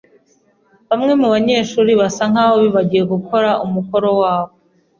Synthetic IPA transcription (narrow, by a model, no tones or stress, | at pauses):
βamŋe̞muβaɲe̞ːʃuːɾiβasaŋ̥aːβoβiβaɟije̞ɡuko̞ɾaʔumuko̞ɾo̞waːβo